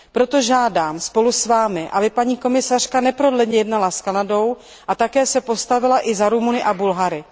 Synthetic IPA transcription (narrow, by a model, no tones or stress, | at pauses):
pɾo̞t̪o̞ʒaːdaːmspo̞lusvaːmɪʔabɪpaɲiːko̞mɪsar̝̥kanɛpɾo̞dlɛdɲɛjɛdnalaskanado̞w | ʔat̪akɛːsɛpost̪avɪlaʔɪzaɾumunɪʔabulɦaɾɪ